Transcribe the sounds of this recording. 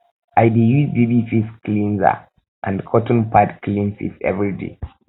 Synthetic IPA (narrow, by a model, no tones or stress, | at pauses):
aɪdijuzdibufisklĩnza̰ | ʔã̰ndkʰɔtɔ̃n̩pʰadklĩnsḭsɛ̰vɹidḛ